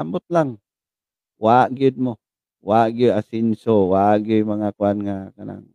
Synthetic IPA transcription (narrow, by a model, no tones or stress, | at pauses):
ambʊt̪̚laŋ | waʔɡɪd̪̚mo | waʔɡɪd̪asɪnsowaʔɡɪjmaŋakʊanŋakana̰ŋ